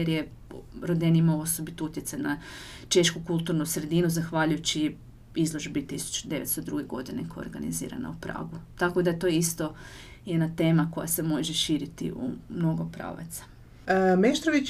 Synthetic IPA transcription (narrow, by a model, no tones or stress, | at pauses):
eɾje | ɾod̪enimauo̞sobit̪out̪jet̪sajna | t͡ʃe̞ʃkukulˠt̪uɾnusɾe̞d̪inuzaxʋaʎujut͡ɕi | izlˠo̞ʒbit̪isu̥t͡ʃu̥d̪eʋet̪st̪od̪ɾuɡeɡo̞d̪inḛkʰoo̰ɾɡanḭzḭːɾa̰na̰upɾa̰ːɡut̪ako̞d̪ajet̪o̞jist̪o̞ | jed̪nat̪e̞ːmako̞jase̞mo̞ʒeʃiːɾit̪ḭʔṵmno̞ɡopɾa̰ːʋa̰t̪sḁ | meʃt̪ɾoʋit͡ɕ